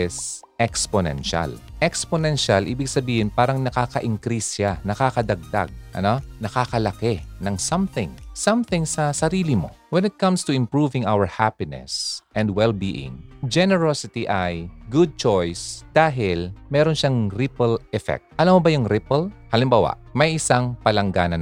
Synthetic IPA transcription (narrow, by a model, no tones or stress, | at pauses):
ʔɪs | ʔɛksponɛ̰nʃa̰lʔɛksponɛnʃalʔiːbɪɡ̚sɐbiːhɪnpaːɾɐŋnɐkaːkɐʔɪŋkɾisjanɐkaːkɐd̪ɐɡ̚d̪a̰ɡ̚ʔɐ̰nonɐkakɐlɐkɛnɐŋsɐmθɪ̃ŋsɐmθɪŋsɐsɐɾiːlɪmo̞̰wɛnɪt̪̚kɐmst̪ʊɪ̃mpɹuvɪŋawəɹhapɪnɛ̰sʔɛ̃nd̪wɛlbiʔɪ̰̃ŋd͡ʒɛnɛɹosɪt̪iʔajɡʊd̪̚t͡ʃojsd̪̥aːɦɪlmɛːɾonʃaŋɾɪpɛlʔɛfɛ̰k̚t̪̚ʔɐlamobɐjʊŋɾɪpɛlhɐlɪmbaːwɐ̰ʔmɐjʔɪsaŋpɐlɐŋɡa̰ːnɐn